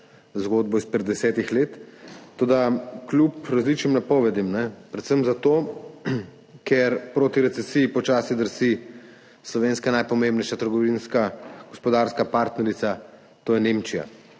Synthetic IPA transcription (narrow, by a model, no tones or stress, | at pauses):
zɡoːd̪̚bɔispɛd̪d̪ɛsɛːt̪ixleːt̪ːoːd̪aklupɾazlit͡ʃnimnapɔːʋɛd̪imnɛpɾɛt̪səmzat̪o | kɛɾpɾoːt̪iɾɛt̪sɛsijipɔt͡ʃaːsid̪əɾsi | slɔʋeːnskanajpɔmembnɛjʃat̪əɾɡɔʋinskaɡ̥ɔspɔd̪aɾskapaɾt̪nɛɾit̪sa | t̪oːjɛneːmt͡ʃija̰